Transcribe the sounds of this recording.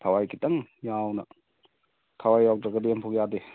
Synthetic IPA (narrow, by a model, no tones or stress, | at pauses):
tʰawajkʰitɐŋjawnɐ | tʰawajːaw̚dɾɐɡɐdempʰɔk̚jade